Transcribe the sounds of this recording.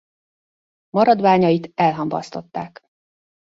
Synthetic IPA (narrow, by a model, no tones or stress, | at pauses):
mɒɾɒd̪ʋaːɲɒjit̪ɛlɦɒmbɒ̰st̪o̞t̪ːaːk